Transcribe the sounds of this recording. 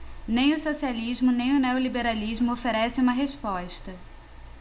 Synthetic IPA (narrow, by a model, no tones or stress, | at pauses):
nẽj̃ʊsosializmʊnẽj̃ʊneolibeɾalizmʊofeɾɛsɪũmɐɦespɔʃt̪ɐ